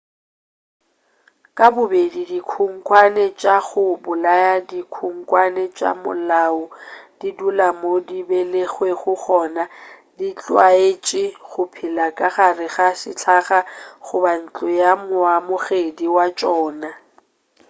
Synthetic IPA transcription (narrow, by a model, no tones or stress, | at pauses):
kʼabʊbedidikʰuŋ̩kʼwanɛt͡ʃʼaɣʊbʊlajadikʰuŋ̩kʼwanɛt͡ʃʼa̰mʊ̰laʊd̥idulamodibeleɣweχʊχɔnadit͡ɬʼwaet͡ʃʼɪɣʊpʰɪlakʼaχarɪɣasɪ̰t͡ɬʰaχaχʊban̩t͡ɬʼʊjamwamʊɣediwat͡ʃʼɔːna